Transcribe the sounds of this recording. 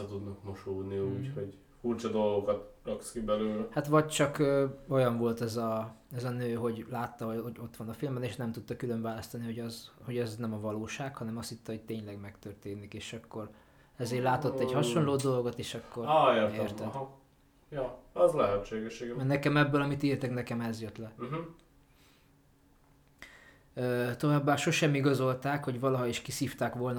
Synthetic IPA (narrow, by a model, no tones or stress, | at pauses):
ɛt̪ud̪nɒkmoʃoːd̪niuːchoɟ | furt͡ʃɒd̪o̞lɡo̞kɒt̪rɒkskibɛløːlɛhat̪ʋɒɟt͡ʃɒkøːo̞jɒɱvo̞lt̪ɛzɒɛzɒnøːɦo̞ɟlaːt̪ːɒɦo̞oɟo̞t̪ːʋɒnɒfilmbɛneːʃnɛmt̪ut̪ːɒkyløɱvaːlɒst̪ɒniho̞ɟɒzho̞ɟɛznɛmɒvɒloːʃaːkhɒnɛmɒsit̪ːɒho̞c̚t̪eːɲlɛɡmɛkt̪ørt̪eːnikeːʃɒkːo̞r | ɛzeːrlaːt̪o̞t̪ːɛɟhɒʃo̞nloːd̪o̞lɡo̞t̪eːʃɒkːo̞reːɾeːrt̪ɛ | jɒɛzlɛɦɛt̪ʃeːɡɛʃːeːɡmɛnɛkɛmɛbːølɒmit̪irt̪ɛknɛkɛmɛzjøt̪lɛ | øːt̪o̞vaːbːaːʃo̞ʃɛmiɡɒzo̞lt̪aːkho̞ɟʋɒlɒɦɒiʃkisiːft̪aːkʋo̞ln